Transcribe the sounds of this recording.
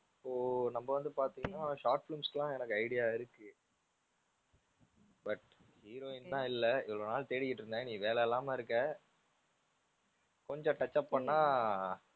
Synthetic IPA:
ɪpːoːnɐmbɐʋɐnd̪ɯpaːɾt̪ĩːŋɡɐnaːʃaːʈfɪlumslãːɛnɐkːɯɐɪɽɪjaːɪɾɯkːɯ | bɐʈ | hiːɾoːɪnt̪ãːɪlːɛɪʋɐɭoːnaːlt̪eːɽɪkːɪʈːɾɯnd̪ẽniːʋeːlɛjɛlːaːmeːɪɾɯkːeː | kɔɲd͡ʒɔ̃ʈɐt͡ʃːaːpːɐɳːaː

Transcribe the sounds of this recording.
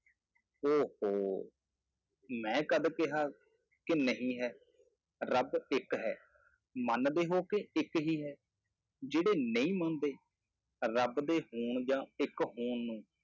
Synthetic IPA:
oːhoː | mɛ̃ːkəd̪kɪɦaː | kɪnəɦĩːɦɛː | ɾəbɪkɦɛː | mənd̪eːɦoːkeɪkɦiːɦɛː | d͡ʒeːɽeːnəĩːmə̃nd̪eː | ɾəbd̪eːɦuːɳd͡ʒãːɪkɦuːɳnũː

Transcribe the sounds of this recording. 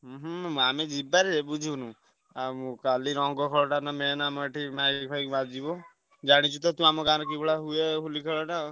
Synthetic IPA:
ɦɦamed͡ʒibaɾeebud͡ʒʱunũ | amũkaliɾɔ̃ŋɡɔkʰɔɭɔʈanamenaməʈimakʰajkbad͡ʒibɔ | d͡ʒaɽ̃it͡ʃʰut̪ɔt̪ũamɔkaɾɔk̬ibɔɽaɦuekʰulikʰəɭɔʈa

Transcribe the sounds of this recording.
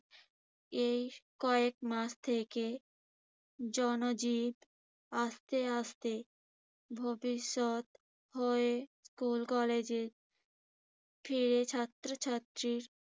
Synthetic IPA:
ejkɔekmaʃt̪ʰeke | d͡ʑɔnod͡ʑib | ast̪east̪e | bʱobiʃːot̪ | hoeskulkɔled͡ʑeɾ | fʰiɾet͡ɕʰat̪ːɾot͡ɕʰat̪ːɾiɾ

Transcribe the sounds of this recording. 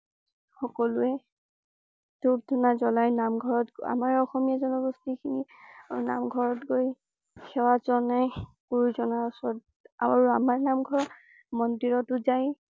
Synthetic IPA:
xɔkɔluɛ | dub̚dʱunazɔlajnamɡʱɔɹɔta̰maɹɔxɔmijazɔnɔɡɔstikʰinina̰mɡʱɔɹɔtɡoj | kʰɛwazɔnɛkuɹuzɔnaɔsɔɹt̚ | a̰aɹuamaɹnamɡʱɔɹ | mɔndiɹɔtʊzaj

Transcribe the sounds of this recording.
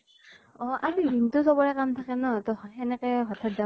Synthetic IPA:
ɔʔaɹidʱintʊsɔbɔɹɛkamtʰakɛnɔtɔxɛnɛkɛɦɔtʰat̚za

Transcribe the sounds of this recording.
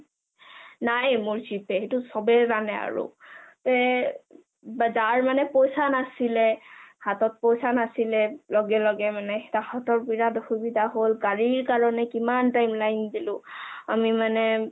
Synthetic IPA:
najmʊɹzipɛɦetusɔbɛzanɛa̰ɹṵtɛ | bazaɹmanɛpojsanasilɛhatɔt̚pojsanasilɛlɔɡɛlɔɡɛmanɛtahɔtɔɹpiɹadɔxubidʱaɦolɡaɹiɹkaɹɔnɛkimantajmlajndilʊ̃a̰mimanɛ

